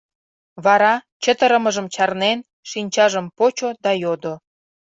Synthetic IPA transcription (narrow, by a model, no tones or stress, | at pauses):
βɑɾɑt͡ɕət̪ə̆ɾə̆məʒəmt͡ɕɑrnen | ʃinʲt͡ɕɑʒəmpot͡ɕod̪ɑjod̪o